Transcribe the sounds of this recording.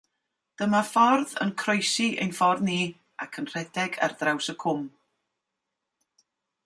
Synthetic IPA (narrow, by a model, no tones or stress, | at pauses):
d̥əmafɔrðə̰nkʰrojsiʔḛjnfɔrðniː | akʰənr̥ɛdɛɡa̰rðrawsəkʰʊm